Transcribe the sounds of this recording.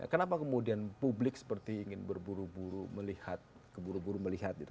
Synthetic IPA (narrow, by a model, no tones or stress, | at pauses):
a̰kənapakəmudianpublɪksə̥pərt̪iːŋɪnbərbuɾubuɾuməlihat̪̚ | kəbuɾubuɾuməliɦat̪̚ɡit̪u